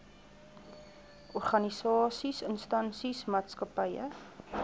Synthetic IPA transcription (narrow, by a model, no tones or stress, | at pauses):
ʔɔrχɐnisɑːsisənstɐnsismɑːtskəpəjə̰